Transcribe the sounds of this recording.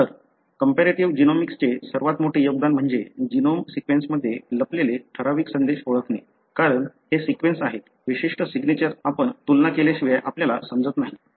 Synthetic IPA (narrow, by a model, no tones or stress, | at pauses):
t̪əɾ | kəmpeɾeʈiʋd͡ʑinomikst͡ɕesəɾʋat̪moʈʰeːjoɡ̚d̪anm̤əɳd͡zed͡ʑinomsikʋensməd̪ʱːjeləpleleʈʰəɾaʋiːksənd̪eɕoɭəkne | kaɾəɳhesikʋensaɦet̪ | ʋiɕiʂʈəsiɡnet͡ɕəɾapəɳt̪ulnakeleɕiʋjeʔapljalasəmd͡zət̪naɦi